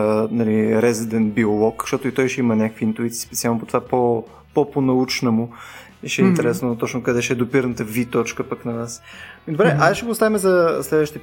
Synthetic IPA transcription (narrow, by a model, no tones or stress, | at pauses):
nɐliɾɛzid̪ɛnbiolˠɔkʃt̪ɔt̪oit̪ɔjʃɛimɐnʲakə̥kvint̪uit̪si̥ːspɛt̪sʲialˠnopot̪ovapo | pɔponɐut͡ʃnəmʊ | iʃɛɛinɛɾɛsnot̪ɔt͡ʃnʊkɐd̪ɛʃɛɛd̪opiɾnət̪əvit̪ɔt͡ʃkəpəknɐvasid̪obɾɛaʃɛɡost̪avɛmɛzɐslɛd̪vəʃt̪ɛ